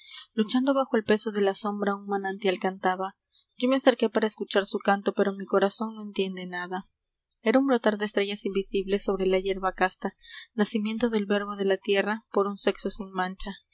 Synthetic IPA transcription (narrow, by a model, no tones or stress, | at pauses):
lut͡ʃand̪o̞βaxo̞e̞lpe̞so̞ðe̞laso̞mbɾaunmanant̪jalkant̪aβa | ɟ͡ʝo̞mease̞ɾke̞paɾaeskut͡ʃaɾsukant̪o̞pe̞ɾo̞miko̞ɾaso̞nno̞e̞nt̪je̞nd̪e̞naða | e̞ɾaumbɾot̪aɾðeːst̪ɾe̞ʝasimbisiβle̞sːo̞βɾe̞laʝe̞ɾβakast̪anasimje̞nt̪oðe̞lβe̞ɾβo̞ðe̞lat̪je̞rapo̞ɾunse̞kso̞sinmãnt͡ʃa